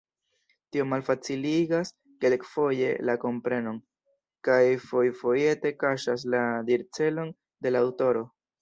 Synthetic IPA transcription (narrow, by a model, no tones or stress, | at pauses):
tio̞malfat͡siliɡas | ke̞lkfo̞je̞̰lako̞mpɾe̞no̞n | kajfo̞jfo̞je̞te̞kaʃas̬ladiɾt͡se̞lo̞n | de̞lawto̞ɾo̞